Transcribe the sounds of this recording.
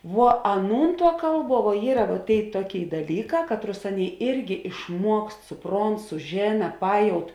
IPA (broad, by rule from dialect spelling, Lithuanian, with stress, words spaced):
ʋuɔ ˈɑːˌnuːn tuɔ ˈkɐlˠˌbuɔ ʋuɔ ˈiːrɐ ʋɐ ˈtʲeːɪ ˈtuɔˌkʲeːɪ dɐˈlʲiːˌkɑː ˈkɑːtˌrʊs ˈɑːnʲˌeːɪ ˈɪrʲɡʲɪ ɪʃˈmuɔkst sʊˈproːnt sʊˈʒʲeːnɐ ˈpɑːjɛʊt